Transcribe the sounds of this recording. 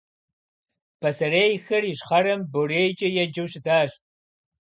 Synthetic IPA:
pʰɐsɐreːjxɨrjiɕχɐɾɐmboreːjt͡ʃʼɪjɛd͡ʒɨwɕɪtʰaːɕ

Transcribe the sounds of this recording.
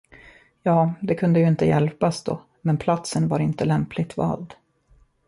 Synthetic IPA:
jɑːd̪ɛkʰɵnd̪əjɵɪnt̪əjɛ̰lpasd̪o̰ː | mɛnpʰlat̪sənvaɾɪnt̪əlɛmpʰlɪt̪vɑ̰ːld̪

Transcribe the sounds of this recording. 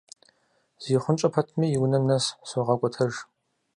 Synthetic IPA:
z̥iːχʷʊnt͡ʃʼɐpʰɐtʰmiːjɪwnɐmnɐssoʁɐkʷʼɔtʰɐʒ

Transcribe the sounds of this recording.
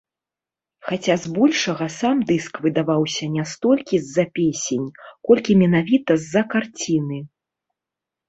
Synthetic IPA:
xat͡sʲazbɔlʲʂɐɣɐsamd̪ɨskvɨd̪avawsʲɐnʲast̪ɔlʲkʲizːɐpʲesʲenʲkɔlʲkʲimʲɛnavʲit̪ɐzːɐkart͡sʲinɨ

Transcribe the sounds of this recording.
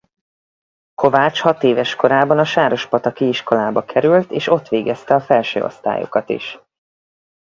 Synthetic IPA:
ko̞vaːt͡ʃhɒt̪eːvɛʃkoɾaːbɒnɒʃaːɾo̞ʃpɒt̪ɒkiiʃko̞laːbɒkʰɛɾylt̪eːʃo̞t̪ʋeːɡɛst̪ɛɒfɛlʃø̰ːo̰st̪a̰ːjo̰kɒt̪ḭʃ

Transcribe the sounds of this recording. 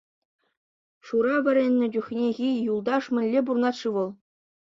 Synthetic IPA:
ʂuɾɑʋʲɘ̆ɾʲenʲːɘ̆d͡ʑʲuxʲnʲeɣʲijulˠd̪ɑʂmʲɘ̆lʲːeburnɑt̪ʂɯʋɤ̆lˠ

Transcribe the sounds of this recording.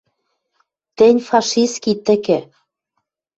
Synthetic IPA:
t̪ɘ̆nʲfɑʃiskit̪ɘ̆kĕ

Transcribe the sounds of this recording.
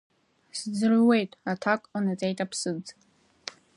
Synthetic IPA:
sd͡zrwe̞jtʼatʰakʼanat͡sʼejtʼapʰsɨd͡z

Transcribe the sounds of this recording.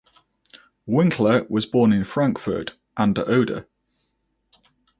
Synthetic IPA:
wɪ̃ŋkʰləwɒzbɔːnɪ̃nfɹãŋkfə̰ˑt | ʔãndəʔəʊdə̰

